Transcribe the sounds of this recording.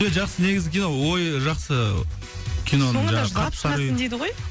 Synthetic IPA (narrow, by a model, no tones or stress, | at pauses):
eʒɑqsəne̞ɡʲɪzɡʲɪkʲʰijnowojʒɑqsə | kʲʰijnonoŋɑqʰɑpsɑənd̪ejd̪ɪʁoj